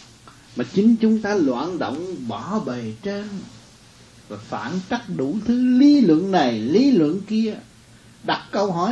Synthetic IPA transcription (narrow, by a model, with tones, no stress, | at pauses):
maː˨˩t͡ɕï˨˦ŋt͡ɕʊ˨˦ŋ͡mt̪aː˧lwa̰ː˧˨nɗo̰˧˨wŋ͡mɓɔ˧˩˦ɓe˨˩t͡ɕe˧n | vaː˨˩fa̰ː˧˨nt͡ɕa˦˥t̚ɗu˧˩t̪ʰɨ˨˦li˨˦lwə̰˧˨ənna˨˩jli˨˦lwə̰˧˨ənki˧ə | ɗa˨˩t̚kə˧wɦɔ˧˩